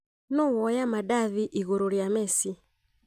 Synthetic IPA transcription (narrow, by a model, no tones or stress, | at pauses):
nɔwɔjamaɗaðiʔiɣɔɾɔɾjamɛsi